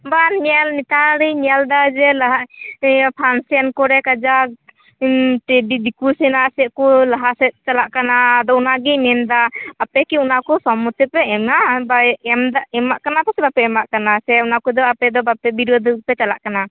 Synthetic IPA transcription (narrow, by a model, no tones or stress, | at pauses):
banalnit̪aɾijnald̪ad͡ʒɛlaɦa | pʰansankɔɾɛkad͡ʒa | ʈɛbid̪ikusɛnasɛʔkulaɦasɛt̪̚t͡ʃalaʔkanaːd̪ɔunaɡinɛnd̪aːpɛkiunakɔsɔmut̪ɛpɛɛmabaɛmd̪aɛmaʔkanapasɛbapɛɛmaʔkanasɛunakɔd̪ɔapɛd̪ɔbapɛbiɾɔd̪upɛt͡ʃala̰ʔkana